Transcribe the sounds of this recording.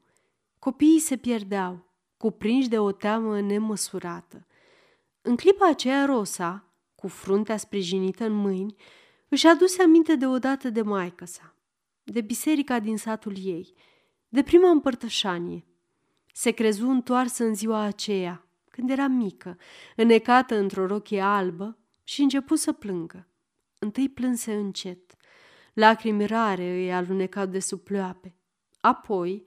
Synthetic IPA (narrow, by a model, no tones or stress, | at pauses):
ko̞pijːse̞pje̞rd̪eaw | kupɾinʃd̪e̞o̞t̪eaməne̞məsuɾat̪ə | ɨŋklipaːt͡ʃe̞jaɾo̞sa | kufɾunt̪easpɾiʒinit̪əɨnmɨjnʲ | ɨʃad̪useamint̪e̞d̪e̞o̞d̪at̪əd̪e̞majkəsa | d̪e̞bise̞ɾikad̪insat̪ulje̞j | d̪e̞pɾimaɨmpərt̪əʃanije̞ | se̞kɾe̞zuɨnt̪oarsəɨnziwaːt͡ʃe̞ja | kɨnd̪je̞ɾamikəɨne̞kat̪əɨnt̪ɾo̞ɾo̞kʲe̞albə | ʃiɨnt͡ʃe̞pusəplɨŋɡə | ɨnt̪ɨjplɨnse̞ɨnt͡ʃe̞t̪ | lakɾimiɾaɾe̞ɨjalune̞kat̪̚d̪e̞suploape̞ | apʰo̞j